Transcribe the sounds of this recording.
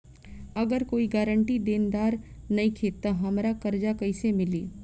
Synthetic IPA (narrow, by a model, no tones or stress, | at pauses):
ɐɡəɾkoːiɡaːɾəɳʈid̪eːnd̪aːɾ | nɐikʰeːt̪ːaɦɐmɾakɐɾd͡ʒakɐisemɪliː